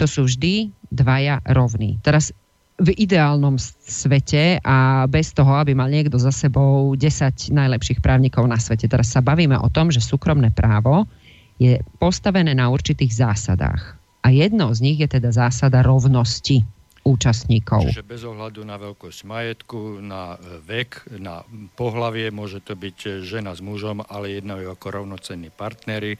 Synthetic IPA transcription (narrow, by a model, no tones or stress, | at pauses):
t̪ɔsuːvʒd̪id̪ʋajaɾɔʊnḭt̪ɛɾas | vid̪ɛaːlnɔmsʋɛcɛʔabɛst̪ɔɦɔabimalɲɪɛɡd̪ɔzasɛbɔʊɟɛsaɟnajlɛpʃiːxpɾaːʊɲiːkɔʊnasʋɛcɛt̪ɛɾasːabaʋiːmɛ̰ʔɔ̰t̪ɔmʒɛsuːkɾɔmnɛːpɾʔaːʋɔ | jɛpɔst̪aʋɛnɛːnauɾt͡ʃit̪iːɣzaːsa̰d̪a̰ːx | ʔajɛd̪nɔzɲiɣjɛt̪ɛd̪azaːsad̪aɾɔʊnɔsci | uːt͡ʃast̪ɲiːkɔ̰ʊʒɛbɛzɔɦlad̪unaʋɛlkɔscmajɛt̪kunaʋɛkna̰pɔɦlaʋɪɛmʊɔʒɛt̪ɔbicʒɛnazmuʒɔmalɛjɛd̪nauakɔɾɔʊnɔt͡sɛnːiːpaɾt̪nɛɾi